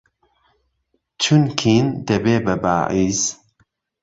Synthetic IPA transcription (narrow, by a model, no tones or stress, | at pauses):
t͡ʃʰunkʰiːnd̪ɐbeːbɐba̰ːʕiːz̥